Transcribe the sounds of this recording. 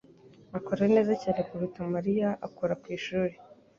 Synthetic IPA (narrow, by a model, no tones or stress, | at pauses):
makoɾejene̞ːzaceɾekuβutamaɾijaʔakuɾakwiːʃuːɾe